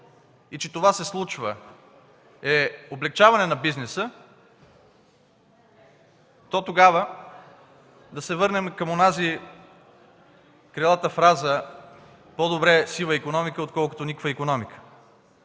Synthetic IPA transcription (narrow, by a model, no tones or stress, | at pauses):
it͡ʃɛt̪ovasɛslˠut͡ʃvə | ɛoblɛk̚t͡ʃavɐnɛnɐbiznɛsə | t̪ɔt̪oɡavə | d̪ɐsɛvɤɾnɛmkəmonazi | kɾɛlˠat̪əfɾazə | pod̪obɾɛsilˠəikonɔmikəot̪kɔlˠkʊ̥t̪onikvəikonɔmikə̥